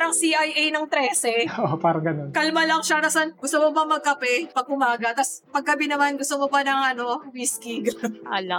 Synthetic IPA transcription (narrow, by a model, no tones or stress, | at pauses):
ɾɐŋsiʔajʔɛjnɐŋt̪ɾɛːsɛoopaːɾɐŋɡɐno̞nkɐlmalɐŋʃanɐsanɡʊst̪omobɐmɐɡ̚kɐpɛpɐɡ̚ʔʊmaːɡɐt̪ɐspɐɡ̚kɐbɛnɐmanɡʊst̪omobɐnɐŋʔɐno̞wiːskiɡɐnnʔɐlɐ